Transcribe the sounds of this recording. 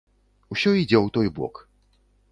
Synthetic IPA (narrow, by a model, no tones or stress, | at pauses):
uɕɔid͡ʑʲɛwt̪ɔibwɔ̰k